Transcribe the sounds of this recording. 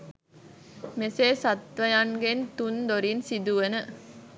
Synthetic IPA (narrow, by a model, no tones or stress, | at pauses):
meseːsat̪ʋɐjaŋɡent̪und̪oɾinsid̪uʋənə